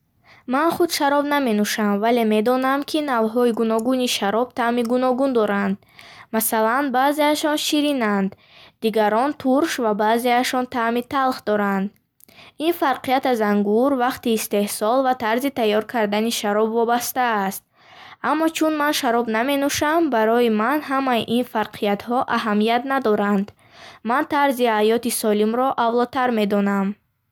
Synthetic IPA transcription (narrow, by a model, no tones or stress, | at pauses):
manχud̪ʃaɾɔbname̞nuʃamvale̞me̞d̪ɔnamkʰinavɦɔiɡunɔɡuniʃaɾɔb̥̚t̪ʰamiɡunɔɡund̪ɔɾand̪̚ | masalanbaze̞aʃɔnʃiɾinand̪ː | iɡaɾɔnt̪ʰuɾʃvabaːzeaʃɔnt̪ʰamit̪ʰalˠχd̪ɔɾand̪ | infaɾqʰijat̪azaŋɡuɾvaqt̪iːst̪e̞hsɔlvat̪ʰaɾzit̪ajːɔɾkʰaɾd̪aniʃaɾɔbvɔbast̪aːst̪̚ | ʔamːɔt͡ʃʰunmanʃaɾɔbname̞nuʃambaɾɔimanɦamajiʔinfaɾqʰijat̪hɔʔaɦamijat̪nad̪ɔɾand̪ | mant̪ʰaɾzihajɔt̪isɔlimɾɔʔavlɔt̪ʰaɾme̞d̪ɔnam